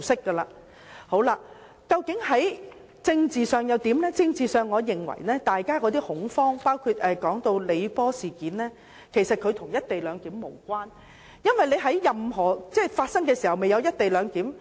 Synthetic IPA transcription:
sɪ˥kːɐː˧laː˧ | ho˨˥wla˧ | kɐ˧wkɪ˨˥ŋhɐ˨˥j | t͡sɪ˧ŋt͡siː˨sœː˨ŋjɐ˨˧wt̪iː˨˥mlɛː˥t͡sɪ˧ŋt͡siː˨sœː˨˧ŋːɔː˨˧jɪ˨˩ŋwɐ̰˨˩jnɛː˥t̪aː˨jkaː˥kɔː˨˧t̪̬iː˥hʊ˨˥ŋfɔː˥ŋpaː˥wkʰu˧t̚ʔɛː˨˧kɔː˨˥ŋt̪o˧wle˨˧jpɔː˥siː˨˩kiː˨˥nlɛː˥ | kʰe˨˩jsɐ˨t̚kʰɵ˨˧ɥt̪ʰʊ˨˩ŋjɐ˥t̚t̪e˨jlœː˨˧ŋk̪iː˨˥mːo˨˩wkʷaː˥n | jɐ˥nwɐ˨jle˨˧jɦɐ˨˥jjɐ˨mɦɔː˨˩t͡sɛː˥˩faː˧t̚sɐ˥ŋk̬ɛː˧siː˨˩hɐ˨˩wme˨jɐ˨˧wjɐ˥t̚t̪e˨jlœː˨˧ŋk̪iː˨˥m

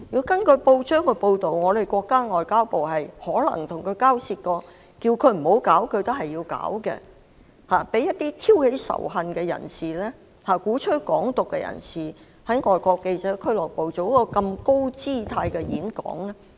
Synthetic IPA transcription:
ji˨˧wkɐ˥nkɵ˨˧po˧wt͡ʃœː˥ŋkə˨˧po˧wt̪o˨wŋɔː˨˧d̪e˨˩jkʷɔː˧kːaː˥ŋɔː˨jkaː˥wpo˨whɐ˨jhɔː˨˥lɐ̰˨˩ŋt̪ʰʊ˨˩ŋkʰɵ˨˧ɥkaː˥wsiː˧t̚kɔː˧ | kiː˧wkʰɵ˨˧ɥm̩˨˩ho˨˥wkaː˨˥wkʰɵ˨˧ɥt̪o˥hɐ˨jːiː˧wka̰ː˨˥wkɛ̰˧ | haː˨pe˨˥jɐ˥t̚t̪iː˥t̪ʰiː˥whe˨˥jsɐ̰˨˩wɦɐ˨˧nkɛ˧jɐ̰˨˩nsiː˨lɛː˥ | haː˨˩kuː˨˥t͡ʃʰɵ˥kɔ̰ː˨˥ŋt̪ʊ˨kːɛ˧jɐ̰˨˩nsiː˨˩ | hɐ˨˥jŋɔː˨jkɔː˧kːe˧jt͡sɛː˨˥kʰɵ˥lɔː˨˩jpo˨wt͡so˨˥wkɔː˧kɐ˧mko˥wt͡siː˥˩t̪ʰaː˧jkɛ˧jiː˨˥nkɔ̰ː˨˥ŋlɛ˥

